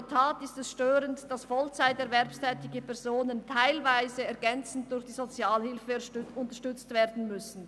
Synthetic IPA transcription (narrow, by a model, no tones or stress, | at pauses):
tʰaːtɪstɛsʃtøːɾəntd̥asfɔlt͡saɪtɛɐʁvɛʁpstʰɛːtɪɡəpʰɛɐʁzoːnəntʰaɪlvaɪzəɛɐʁɡɛnt͡sn̩t̚d̥ʊɾçd̥iːzot͡sjaːlhɪlfəʔʊntɐʃtʏt͡stv̥eːɐdn̩mʏsn̩